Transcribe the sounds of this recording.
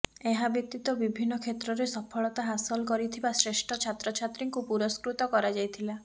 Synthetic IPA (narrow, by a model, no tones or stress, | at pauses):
eɦabit̪ːit̪ɔbibʱinːɔkʰet̪ɾɔɾesɔpʰɔɭɔt̪aɦasɔlkɔɾit̪ʰibasɾesʈʰɔt͡ʃʰat̪ɾɔt͡ʃʰat̪ɾiŋkupuɾɔskɾut̪ɔkɔɾad͡ʒajt̪ʰila